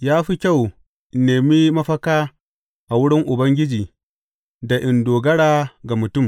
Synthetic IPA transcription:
jaː˦ɸi˦kʲa˦˨w | neː˨mi˦mɐ˦ɸɐ˦kaː˦ | ʔa˨wʊ˦ɽɪ˦ŋʔʊ˨bɐ˦ŋɡʲɪ˦d͡ʒiː˨ | da˨ʔɪ˨ndoː˨ɡɐ˦ɽaː˦ɡa˨mʊ˨tʊ˦˨m

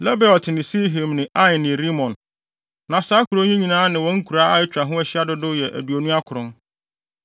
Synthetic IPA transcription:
lɛ˦bɛ˨ɔ˨tʰɪ˨nɪ̃˨si˦ɦi˨mnɪ̃˨ʔa˦jɪ˨nɪ̃˨ɾi˦mɔ̃˨n | nã˨saː˦kʰu˨ɾo˦ɲĩ˦ɲĩ˨nãː˦nɪ̃˨wɔ̃˦ŋ̩˦kʰu˨ɾa˦a˨ɪ˦t͡ɕᶣa˨ɦʊ̃˦æ˦ɕɪ˦a˦dʊ˦dʊ˦jɛ˨ʔæ̰˨du˨o˨nũ˦a˦kʰʊ˨ɾʊ̃˦n

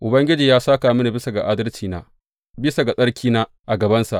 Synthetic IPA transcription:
ʔʊ˨bɐ˦ŋɡʲɪ˦d͡ʒiː˨jaː˦saː˦kaː˨mɪ˦ni˨bɪ˦sa˨ɡa˨ʔaː˦dɐ˦lt͡ʃiː˨na̰ː˦ | bɪ˦sa˨ɡa˨sʼɐ˦ɽkʲiː˦naː˦ | ʔa˨ɡɐ˨bɐ˦nsa̰˨ʔ

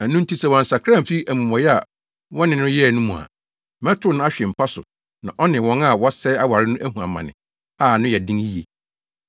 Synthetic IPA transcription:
æ˨nũ˦n̩˦tʰi˦sɛ˨wɔ̃˨n̩˨sa˨kʰã˦˨m̩˨fi˦æ˨mũ˨mɔ̃˨jɛ˦a˨ | wɔ̃˦nɪ̃˨nʊ̃˦jɛ˦˨nʊ̃˦mũ˨a̰˨ | mɛ̃˦tʰʊ˦nʊ̃˦a˦ɕᶣɛ˨m̩˨pʰa˦sʊ̰˨ | nã˨ʔɔ˦nɪ̃˨wɔ̃˦ŋa˦˨wɔ˦sɛ˦a˦wa˨ɾɪ˦nʊ̃˦ʔæ˦hũ˨a˨mã̰˨nɪ̰̃˨ | a˨nʊ̃˦jɛ˨dɪ̃˦ŋi˦je˨

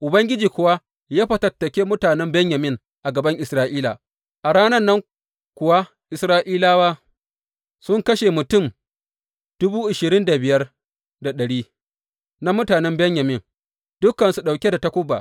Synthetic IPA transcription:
ʔʊ˨bɐ˦ŋɡʲɪ˦d͡ʒiː˨kʷʊ˨wa˦ | jaː˦ɸɐ˨tɐ˨tːɐ˨kʲeː˦mʊ˦taː˨nɛ˦mbɛ˦ɲja˨mɪ˦ŋ | ʔa˨ɡɐ˨bɐ˦ŋʔɪ˨sɾaː˦ʔiː˦la̰ː˨ | ʔa˨ɽaː˦nɐ˦nːɐ˦ŋ | kʷʊ˨wa˦ | ʔɪ˨sɾaː˦ʔiː˦laː˦waː˦ | sʊ˦ŋkɐ˦ʃe˨mʊ˨tʊ˦˨m | d̥ʊ˦buː˦ʔɪ˨ʃɪ˨ɾɪ˦nda˨bɪ˨jɐ˦r | da˨ɗɐ˨ɽiː˦ | na˦mʊ˦taː˨nɛ˦mbɛ˦ɲjɐ˨mɪ˦˨ŋ | d̥ʊ˦kːɐ˨nsu˨ɗa˨wkʲe˦da˨ta˦kʷʊ˦bːa̰ː˨

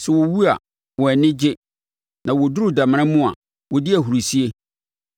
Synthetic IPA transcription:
sɛ˨wo˨wu˦a̰˨ | wɔ˨ɛ˨nɪ̃˦d͡ʑɪ˦ | nã˨wo˨du˦ɾʊ˨da˨m̃˦ã˦mũ˦a̰˨ | wɔ˨dɪ˦æ˨ɦu˨ɾu˨si˦e˦

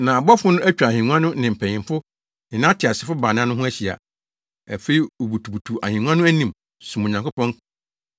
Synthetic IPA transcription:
nã˨a˨bɔ˦fʊ˦nʊ̃˦ʔæ˦t͡ɕᶣa˨hĩ˨nũ˦ã˦nʊ̃˦nɪ̃˨m̩˨pʰɛ̃˨ɲɪ̃˨mfʊ˦ | nɪ̃˨nã˦tʰɪ˨a˨sɪ˨fʊ˦ba˨nã˦nʊ̃˦ɦʊ̃˦æ˦ɕi˨a̰˨ | æ̰˨fe˦i˨o˨bu˨tʰu˨bu˨tʰu˨ʔa˨hĩ˨nũ˦ã˦nʊ̃˦æ˦nĩ˨m | sũ˨mo˨ɲã˨ŋkʊ˦pɔ̃˦ŋ˦kʰ

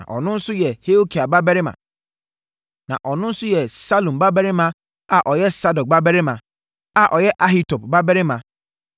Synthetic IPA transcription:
ã̰˨ʔɔ˨nʊ̃˦n̩˦sʊ˦jɛ˨he˦o˦kʰi˨a˨ba˦bɛ˦ɾɪ˦mã̰˨ | nã̰˨ʔɔ˨nʊ̃˦n̩˦sʊ˦jɛ˨sa˦lõ˨mba˦bɛ˦ɾɪ˦mã˨ | a˨ʔɔ˨jɛ˦sa˦dɔ˨k̚ba˦bɛ˦ɾɪ˦mã˨ | a˨ʔɔ˨jɛ˦ʔa˦ɦi˦tʰo˨p̚ba˦bɛ˦ɾɪ˦mã˨

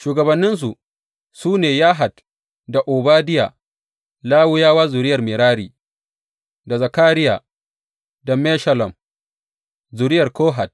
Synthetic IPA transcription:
ʃuː˨ɡɐ˨bɐ˨nːɪ˦ns̬u˨ | suː˦neː˨jaː˦ɦa˨t | da˨ʔoː˨baː˦dɪ˦ja̰ː˨ | laː˦wʊ˦jaː˦waː˦zʊ˨ɾɪ˦jɐ˨rmɪ˨ɾaː˦ɾḭː˨ | da˨zɐ˨kaː˦ɾɪ˦jaː˨ | dɐ˨mɛ˦ʃɐ˦lɐ˨m | zʊː˨ɾɪ˦jɐ˨rkoː˦ɦa˨t̚

